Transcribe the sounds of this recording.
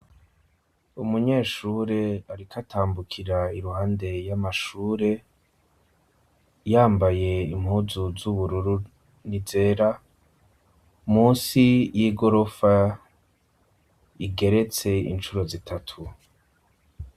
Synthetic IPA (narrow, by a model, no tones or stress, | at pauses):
umuɲe̞ːʃuːɾe̞aɾikʰatʰaːmbukʰiɾaiɾuɦaːnde̞jamaʃuːɾe̞ | jaːmbaje̞imhuːzuzuβuɾuɾu | nize̞ːɾa | umuːnsijiːɡo̞ɾo̞fa | iɡe̞ɾe̞t͡se̞ḭnt͡ʃuɾo̞zitʰatʰu